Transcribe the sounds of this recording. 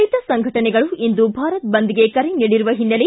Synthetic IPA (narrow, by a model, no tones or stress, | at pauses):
jt̪ɐsɐŋɡʱɐʈɐnɛɡɐɭuind̪ubʱaːɾɐt̪̚bɐnd̪iɡe̞kɐɾeniːɽiɾuʋɐɦinːɐle